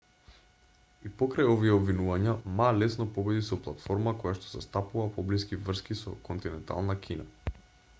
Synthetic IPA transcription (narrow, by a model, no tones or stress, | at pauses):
ipɔkɾajɔviɛobvinuvaɲamalɛsnɔpɔbɛd̪isɔplˠat̪fɔɾmakojaʃt̪ɔ̥zɛst̪apuvapɔbliskivr̩skisɔ̰kɔnt̪inɛnt̪a̰lˠnakʰʲina̰